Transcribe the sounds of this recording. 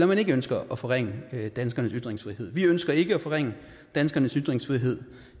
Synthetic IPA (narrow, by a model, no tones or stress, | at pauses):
lɒmæne̝ɡ̥əønsɡ̥ɐʔɒ̽fɒ̽ʁaŋ̰əd̥ænsɡ̥ɐnəsyd̥ʁeŋsfʁiɦe̝ð̞̰ˠʋiønsɡ̥ɐe̝ɡ̥əæfɒ̽ʁeŋ̰ə | d̥ænsɡ̥ɐnəsyd̥ʁeŋsfʁiɦe̝ð̞̰ˠ